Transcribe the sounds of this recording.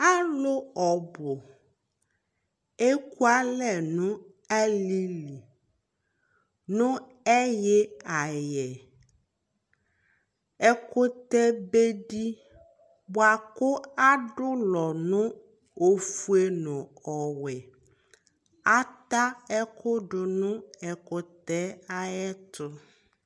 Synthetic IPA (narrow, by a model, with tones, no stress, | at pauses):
a˦lo˦ɔ˨bo˨ | e˦ku˦a˦lɛ˨nũ˦ | ɛ˦li˦li˨ | nʊ̃˦ | ɛ˦jɛ˦a˨jɛ˨ | ɛ˦ko˦t̪ɛ˦be˦ɖi˦ | bo˨a˨kʊ˦a˦ɖʊ˦lɔ˨nũ˦ | o˦fu˦e˦nɔ̃˨ɔ˨wɛ˨ | a˦t̪a˦ɛ˦kʰʊ˦ɖʊ˨nũ˦ɛ˨kʊ˦t̪ɛ˦a˦jɛ˦t̪ʊ˦